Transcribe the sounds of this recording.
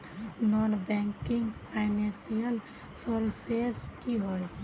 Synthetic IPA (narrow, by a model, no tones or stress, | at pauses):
nonbɛŋkɪŋɡpʰaɪnɛ̃nsijəl | sɔɾseskiɦoj